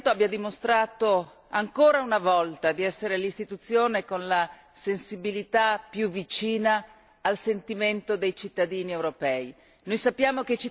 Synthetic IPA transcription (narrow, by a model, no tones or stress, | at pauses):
t̪oabjad̪imost̪ɾaːt̪o | aŋkoːɾaunavɔlt̪ad̪iɛsːeɾelist̪it̪ut̪sːjoːnekonla | sensibilit̪apjuvit͡ʃiːnaː | lsent̪iment̪od̪ejt͡ʃit̪ːad̪iːniewɾopɛːi | nojsapːjaːmoket͡ʃi